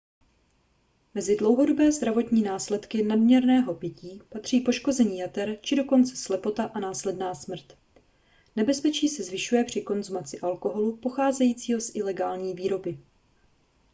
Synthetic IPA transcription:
mɛzɪdlo̞wɦo̞do̞bɛːzd̪ɾavo̞t̪ɲiːnaːslɛt̪kɪnadmɲɛɾnɛːɦo̞pjɪciːpat̪r̝̥iːpo̞ʃko̞zɛɲiːjat̪ɛɾt͡ʃɪdo̞ko̞nt͡sɛ̥slɛpo̞t̪aʔanaːslɛdnaːsmr̩t̪ | nɛbɛspɛt͡ʃiːsɛzvɪʃujɛpr̝̥ɪko̞nzumat͡sɪʔalko̞ɦo̞lupo̞xaːzɛjiːt͡siːɦo̞sʔɪlɛɡaːlɲiːviːɾo̞bɪ

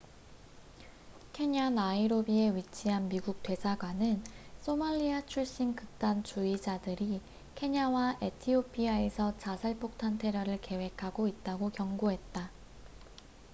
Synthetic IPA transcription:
kʰe̞ɲanaiɾobie̞ɥit͡ɕʰiɦanmiɡuk̚t͈we̞sʰaɡwanɯns͈ʰomaʎːiat͡ɕʰuɭɕ͈inkɯk̚t͈ant͡ɕuid͡ʑadɯɾi | kʰe̞ɲawaʔe̞tʰiopʰiae̞sʰʌt͡ɕasʰaɭpʰok̚tʰantʰe̞ɾjʌɾɯɭke̞we̞kʰaɡoit̚t͈aɡokjʌŋɡoɦe̞t̚t͈a

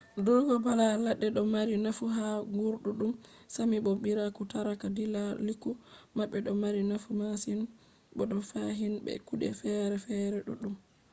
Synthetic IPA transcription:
dɔɡɔbalalaɗːɛɗɔmaɾinafuɦaŋɡuɾɗuɗum | samiɓobiɾakutaɾakadilalikːumaɓːɛɗɔmaɾinafumasin | ɓɔɗɔfaɦinbɛ̰kuɗɛ̰fɛɾɛfɛɾɛɗṵɗum

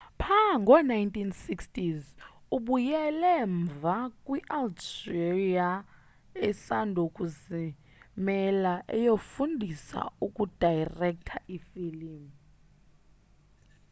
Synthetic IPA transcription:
pʰaŋɡʱɔnajntʰʼinsikstiz | uɓujɛlɛɱvakʼwiʔaltia | ɛsandʱukʼuzi | mɛlaʔɛ̰jofundʱisa̰ukʼud̥ʱajrɛk̚tʰaʔifilim

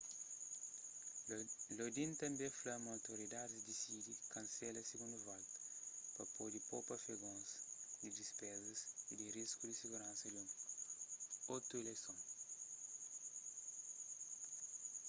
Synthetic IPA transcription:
lod̪ĩnt̪ɐ̃mbẽflɐmawt̪oɾid̪ad̪zd̪isid̪ikɐ̃nsɛlɐsiɡũnd̪uvalt̪ɐ̥pɐpod̪ipopɐfeɡõnsd̪id̪ispɛzɐsid̪iriskud̪isiɡuɾãnsɐdũ | ot̪uelesõŋ

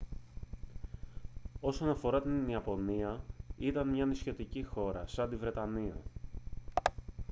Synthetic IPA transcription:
o̞so̞nɐfo̞ɾɐt̪inniɐpo̞niɐit̪ɐnmɲɐnisço̞t̪icixo̞ɾɐsɐnd̪ivɾe̞t̪ɐniɐ̰

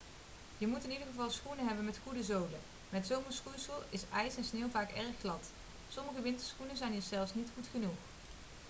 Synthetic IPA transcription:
jəmutɪnidəɹɣəvɑlˠsχunəɦɛbənmɛtχudəzowlə | mɛtsowməɹsχusəlˠɪsɛjsɛnsneːwˠvaːkɛɹχːlɑt | sɔməɣəʋɪntəɹsχunəzɛjnəzɛlˠfsnitχutχənuχ

